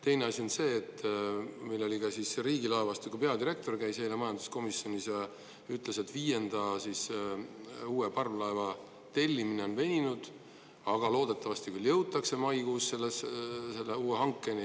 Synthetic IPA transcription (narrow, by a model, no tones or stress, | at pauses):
t̪e̞jne̞ɑsʲio̞nse̞ːt̪ːmilːo̞lʲikɑsisriːɡilɑevɑst̪ukupe̞ɑd̪iɾe̞k̚t̪o̞rkæjshejlemɑjɑnd̪̥u̥sko̞misjonʲisjɑ | yt̪ˑle̞set̪ːviːje̞nd̪̥ɑsis | uːepɑrvlɑevɑ | t̪e̞lʲːimine̞o̞nve̞nʲinud̪̥ | ɑɡ̥ɑlo̞ːd̪̥e̞t̪ːˑɑvɑst̪ikyljɤwt̪ːˑɑkse̞mɑjɡusse̞lːesse̞lːeuːeɦɑŋkːˑe̞nʲi